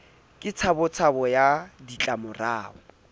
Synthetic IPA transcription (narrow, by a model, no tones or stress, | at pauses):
kʼɪt͡sʰabʊt͡sʰabɔjadit͡ɬʼamʊraːɔ